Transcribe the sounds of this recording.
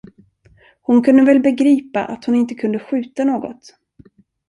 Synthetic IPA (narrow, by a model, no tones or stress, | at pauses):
hʊnkʰɵnd̪əvɛlbɛɡɾiːpa̰ʔat̪hʊnɪnt̪əkʰɵnd̪əɧʉ̟ːt̪anoːɡɔ̰t̪